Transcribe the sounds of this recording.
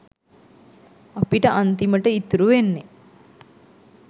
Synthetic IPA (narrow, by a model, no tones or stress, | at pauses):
apiʈəʔant̪iməʈəit̪ɾuʋenːe